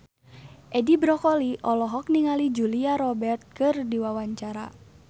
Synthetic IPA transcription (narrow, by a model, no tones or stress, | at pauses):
ʔɛdibɾɔkɔliʔɔlɔɦɔk̚niŋalid͡ʒuliaɾɔbɛrt̪̚kɨrdiwawaɲt͡ʃaɾa̰